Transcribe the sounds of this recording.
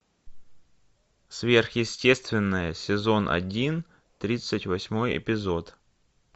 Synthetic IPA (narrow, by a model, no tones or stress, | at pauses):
svʲerxjɪsʲtʲe̞st̪vʲɪnːəjəsʲɪzo̞nʔɐ̰dʲin | t̪ɾʲit̪sɨtʲvɐsʲmo̞jɪ̰pʲɪzo̞t̪